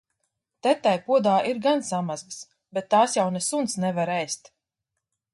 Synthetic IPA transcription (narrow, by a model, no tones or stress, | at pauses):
t̪ɛt̪ːajpuɔd̪aːʔiɾɡansamazbɨs | bɛt̪ːaːsjawnɛsunt̪snɛvaɾɛjst̪